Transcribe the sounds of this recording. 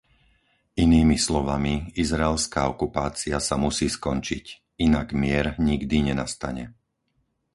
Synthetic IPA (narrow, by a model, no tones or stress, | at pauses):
iniːmislɔʋamiizɾaɛlskaːɔkupaːt͡siasamusiːskɔnt͡ʃic | inaɡmɪɛɾɲiɡd̪iɲɛnast̪aɲɛ